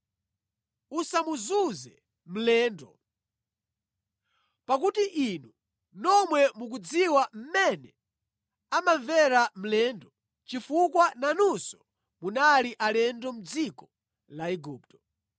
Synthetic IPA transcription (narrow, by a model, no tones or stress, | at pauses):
usamuzuzɛ | m̩lɛːndɔ | pak̬utiʔinu | nɔmwɛmuk̬ud͡ziwam̩mɛnɛ | amaɱvɛɾam̩lɛndɔ | t͡ʃifukwananusɔ̥ | munaliʔalɛndɔm̩d͡zikɔ | laiɡuːptɔ̥